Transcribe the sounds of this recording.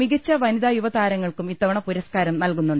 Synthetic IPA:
iɡɐt͡ɕːɐʋɐnid̪aːjuʋɐt̪aːɾɐŋːɐɭkumit̪ːɐʋɐɳɐpuɾɐskaːɾɐmnɐlkunːuɳɖ

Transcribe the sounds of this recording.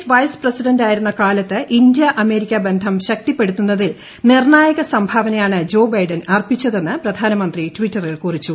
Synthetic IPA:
sʋɐjsprɐsiɖɐnɖaːjiɾunːɐkaːlɐt̪ːɨʔind̪jɐʔɐme̞ːɾikʲːɐbe̞nd̪ʱɐmɕɐk̚t̪ipːe̞ɽut̪ːunːɐðil | nirɳaːjɐɣɐsɐmbʱaʋɐnɐjaːɳɨd͡ʑo̞ːbɐjɖɐnɐrpit͡ɕːɐðe̞nːɨprɐd̪ʱaːnɐmɐnd̪ritʋitːɐrilkurit͡ɕːu

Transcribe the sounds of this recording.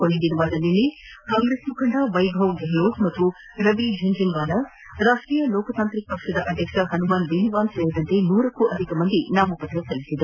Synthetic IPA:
koɭːid̪inɐʋaːd̪ɐnːilːi | kaːŋɡɾeːsmukɐɳɖɐʋɐjbʱɐʋɡeɦloːkmɐt̪ːu | ɾɐʋid͡ʒʱɐɲd͡ʒinʋaːlɐ | ɾaːʂʈɾiːjɐloːkɐt̪aːnt̪ɾik̚pɐkʂɐd̪ɐʔɐd̪ʱjɐkʂɐɦɐnumaːnbeːniʋaːnseːɾid̪ɐnt̪enuːɾɐkːuʔɐd̪ʱikɐmɐnd̪inaːmɐpɐt̪ɾɐsɐlːisid̪e

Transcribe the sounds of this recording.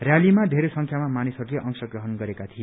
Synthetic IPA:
rjalimaɖʱeɾesʌŋkʰjamamanisʌɾuleʔʌŋsʌɡrʌɦʌnɡʌɾekat̪ʰi

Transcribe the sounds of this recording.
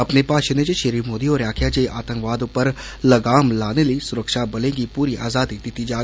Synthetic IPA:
ɐpnepaːʃənet͡ʃeʃeɾiːmoːd̪ioːɾjaːkʰjaːd͡ʒeʔaːt̪ə̃ŋkʋaːd̪ʊpːəɾ | ləɡaːmlaːneləisʊɾəkʃabɐlẽːɡipuːɾiʔa̰ːzaːd̪id̪ɪt̪ːid͡ʒaː

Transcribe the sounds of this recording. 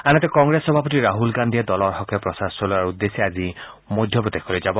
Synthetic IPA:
anɔt̪ekɔŋɡɾesɔbʱapɔt̪̬iɾaɦulɡand̪ʱied̪ɔlɔɾɦɔkʰːɔpɾɔsasɔlɔaɾud̪ːesiad͡ʒi | mod̪ʱjɔpɾɔt̪ekʰɔɾed͡ʒabɔ

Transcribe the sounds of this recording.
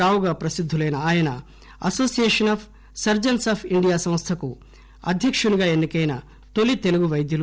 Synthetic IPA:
aːʋuɡaːpɾɐsid̪ʱːulɐjnɐaːjɐnɐ | ɐ̰so̞ːsijeːʂɐnaːpʰ | sɐɾd͡ʒɐnsaːpʰiɳɖijaːsɐ̃mst̪ʰɐku | ɐ̰d̪ʱjɐkʂuniɡaːenːikɐjnɐ | t̪o̞lit̪e̞luɡuʋɐjd̪ʱjɐlu

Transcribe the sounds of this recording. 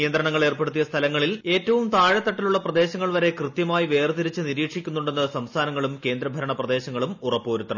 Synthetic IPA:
ijɐnd̪ɾɐɳɐŋːɐɭe̞ːrpeɽut̪ːijɐst̪ʰɐlɐŋːɐɭile̞ːtːɐʋumt̪aːɻɐt̪ːɐʈːɐluɭːɐprɐd̪e̞ːɕɐŋːɐɭʋɐɾe̞krɨt̪jɐmaːjiʋe̞ːrt̪iɾit͡ɕːɨniɾiːkʂikʲːunːuɳɖe̞nːɨsɐmst̪ʰaːnɐŋːɐɭumke̞ːnd̪ɾɐbʱɐɾɐɳɐprɐd̪e̞ːɕɐŋːɐɭumurɐpːoːɾut̪ːɐɳɐ

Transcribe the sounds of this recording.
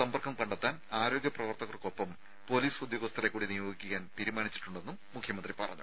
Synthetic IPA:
sɐmbɐrkʰɐmkɐɳɖɐt̪ːaːnaːɾo̞ːɡjɐprɐʋɐrt̪ɐɣɐrko̞pːɐm | po̞liːsud̪joːɡɐst̪ʰɐrekːuːɽinijoːɡikʲːuɣaːnt̪iːɾumaːnit͡ɕːi̥ʈːuɳɖe̞nːumːukʰjɐmɐnd̪ripɐrɐ̰ɲːṵ

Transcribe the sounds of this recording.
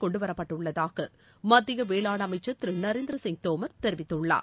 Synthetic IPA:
kɔɳɖɯʋɐɾɐpːɐʈːɯɭːɐðaːɣɐ | mɐd̪ːɪɣɐʋeːɭaːɳɐmɐɪt͡ʃːɐt̪ɾɯnɐɾeːnd̪ɪɾɐsɪŋɡt̪oːmɐɾt̪ɛɾɪʋɪt̪ːɯɭːa̰ː

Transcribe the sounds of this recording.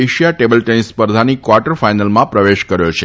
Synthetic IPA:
eʃijaʈebəlʈenspəɾd̪ʱanikʋaɾʈəɾfajnəlmãpɾəʋeʃkəɾjot͡ʃʰe

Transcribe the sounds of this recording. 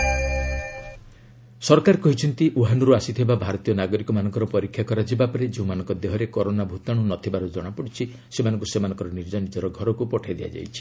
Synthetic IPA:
sɔɾkaɾkɔɦit͡ʃʰɔnt̪iʔuɦanɔɾuasit̪ʰibabʱaɾɔt̪ijɔnaɡɔɾikɔmanɔŋkɔɾɔpɔɾikʰːjakɔɾad͡ʒibapɔɾed͡ʒeũmanɔŋkɔd̪eɦɔɾekɔɾonabʱut̪aɽ̃unɔt̪ʰibaɾud͡ʒɔɽ̃apɔɽit͡ʃʰi | semanɔŋkusemanɔ̃ŋkɔɾɔniɾd͡ʒɔnid͡ʒ̪ɔɾɔɡʱɔɾɔkupɔʈʰajd̪ia̰d͡ʒa̰jt͡ʃʰi̥

